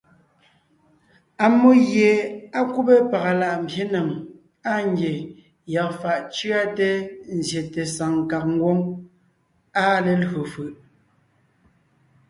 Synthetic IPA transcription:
a˨mo˦ɣje˨a˦ku˦pe˦pa˨ɣa˨la˦˨ʔm̩˨bje˦na˨ŋ | a˦ŋ˦ɡje˨ | ja˨kfa˨ʔt͡ʃɰa˦te˦n̩˨zje˨te˨sa˨ŋ˨ka˨k̚ŋ̩˦ɡwo˦ŋ | a˦˨le˨lɣo˨fɯ˨ʔ

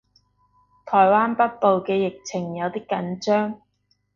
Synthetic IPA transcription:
t̪ʰɔː˨˩jwaː˥npɐ˥t̚po˨wkɛː˧jɪ˨k̚t͡sʰɪ˨˩ŋjɐ˨˧wt̪iː˥kɐ˨˥nt͡ʃœː˥ŋ

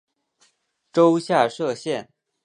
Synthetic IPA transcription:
ʈ͡ʂo˥ʊɕja˥˧ʂɤ˥˧ɕjɛ˥˩n

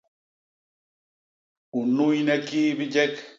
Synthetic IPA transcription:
u˨nu˦ji˦nɛ˦ki˦bi˦d͡ʒɛ˦k

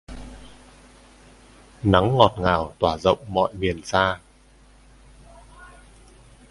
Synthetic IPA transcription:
na˨˦ŋːɔ˨˩t̚ŋaː˧˩wt̪waː˧˩zə̰˧˨wŋ͡mmɔ̰˧˨jmi˨˩ənsaː˧

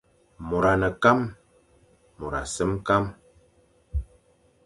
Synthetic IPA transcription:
mo˨ɾa˨nə˨ka˦m | o˨ɾa̰˨sə˦mka˦m

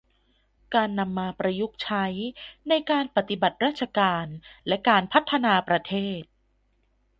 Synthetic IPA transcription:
kaː˧nːa˧mːaː˧pɾa˧ju˦˥k̚t͡ɕʰa˦˥jna˧jkaː˧npa˨˩t̪i˨˩ba˨˩t̪̚ɾaː˥˩t̪̚t͡ɕʰa˧kaː˧nlɛ˦˥kaː˧npʰa˦˥t̪ʰːa˧naː˧pɾa˧t̪ʰeː˥˩t̪̚

